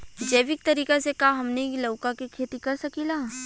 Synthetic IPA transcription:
d͡ʒɐjʋɪk̚t̪ɐɾiːkesekaɦaɦɐmneilɐʊkakikʰeːt̪ikɐɾsɐkilaː

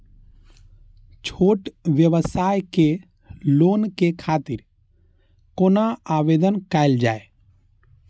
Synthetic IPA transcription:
t͡ʃʰoːʈʋjəʋəsaːjke | loːnkekʰaːt̪ɪɾ | koːnaaːʋeːd̪ənkaɪld͡ʒaːe

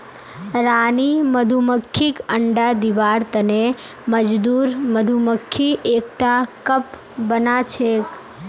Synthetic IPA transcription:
ɾaniməd̪ʱuməkʰːikəɳɖad̪iʋaɾt̪əne | məd͡ʒd̪uɾməd̪ʱuməkʰːiʔek̚ʈakəp | bənat͡ʃʰek

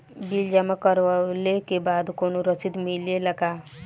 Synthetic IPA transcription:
bild͡ʒamakəɾʋalekebaːd̪konuɾəsid̪milelaka

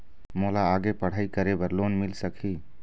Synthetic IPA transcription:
molaːɡepəɽ̤aikəɾebəɾlonmilsəkʰi

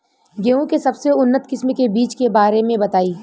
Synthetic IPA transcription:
ɡeːũkesɐbseʊnːət̪kɪsmkebiːt͡ʃkebaːɾemẽbɐt̪aːiː

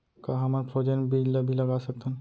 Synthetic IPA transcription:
kaɦɐmaɾpʰod͡ʒənbid͡ʒlebʱilɐɡasɐk̚t̪ən

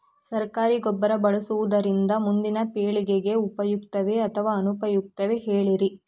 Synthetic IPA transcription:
sɐɾkaːɾiɡɔbːɐɾɐbɐɭɐsuʋud̪ɐɾind̪ɐmund̪inɐpeːɭiɡeɡe̞upɐjukt̪ɐʋe̞ɐt̪ʰɐʋaːɐnupɐjuk̚t̪ɐʋe̞ɦeːɭiɾi

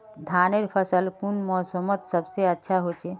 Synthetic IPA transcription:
d̪ʱaneɾpʰəsəlpunmɔːsəmət̪səbseətːʃʰaɦot͡ʃʰe

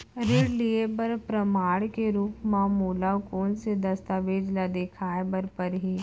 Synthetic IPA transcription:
ɾɪɽliebəɾpɾɐmaːɽkeɾuːpmãmoːlakɔːnsed̪ɐst̪aʋeːd͡ʒlad̪eːkʰaːebəɾpəɾɦiː

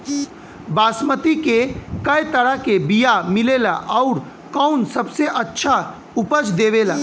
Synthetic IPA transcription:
baːsmət̪ikekɐjt̪əɽakebijamɪleːla̰ʔɔʊɾ | kɔʊnsɐbseʔɐtːʃʰa | ʊpəd͡ʒd̪eːʋeːlaː

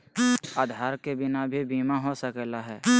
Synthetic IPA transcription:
aːd̪ʱaːɾkebɪnabʱibiːmaɦosəkɛlaɦɛː

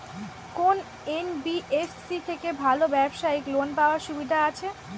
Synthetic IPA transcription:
kon | enbiʔefsik̪ʰekebʱalobɛbʃaiklonpaoaɾʃubid̪ʱaat͡ɕʰe

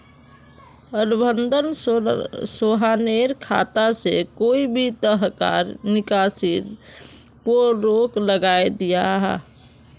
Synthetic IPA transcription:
ənbʱənd̪ʱən | soɦaneɾkʰa̰t̪asḛkoibʱit̪əɦka̰ɾnɪkasiɾ | poɾokləɡaed̪ijaɦɛ̰

